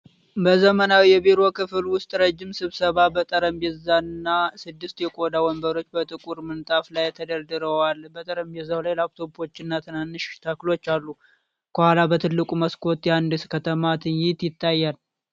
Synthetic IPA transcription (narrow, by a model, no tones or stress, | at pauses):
bəzəmənawijɛbeɾo̞kɨfɨlwʊst̪ʼɾəd͡ʒːɪmsɨβsəβabət̪ʼəɾəmbezanːasɨd̪ːɨst̪jɛkʼo̞d̪awɔmbəɾo̞t͡ʃːbət̪ʼɨkʼuɾmɨnt̪ʼaflajt̪ʰəd̪əɾd̪ɨɾəwalbət̪ʼəɾəmbezawlajlak̚t̪ʰo̞po̞t͡ʃːɪnːat̪ʰɨnanːɨʃt̪ʰəklo̞t͡ʃːalːu | kʰəhalabət̪ʰɨlːɨkʼuməskʰo̞t̪jand̪ɨskʰət̪ʰəmat̪ʰɨnjɪt̪jɪt̪ːajːal